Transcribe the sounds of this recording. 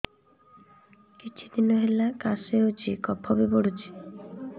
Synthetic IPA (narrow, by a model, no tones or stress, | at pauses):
kit͡ʃʰid̪inɔɦelakaseot͡ʃʰikɔpʰɔbibɔɽut͡ʃʰi̥